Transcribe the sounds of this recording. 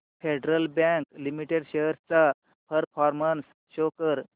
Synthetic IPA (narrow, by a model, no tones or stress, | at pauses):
fʰeɖɾəlbãŋklimiʈeɽɕejəɾt͡sa | pʰəɾfʰɔɾməns | ɕokəɾ